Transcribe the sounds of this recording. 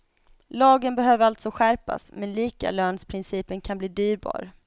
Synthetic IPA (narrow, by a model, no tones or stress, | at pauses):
lɑːɡənbɛɦøːvəɾalt̪sɔɧæɾpa̰smɛnliːka̰løːnspʰɾɪnsiːpənkʰanbliːd̪yːɾbɑ̰ːɾ